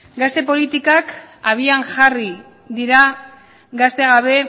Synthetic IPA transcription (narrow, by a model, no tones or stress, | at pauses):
ɡast̪e̞po̞lit̪ikakaβiaŋʝari | ðiɾa | ɡast̪eɣaβ̞e̞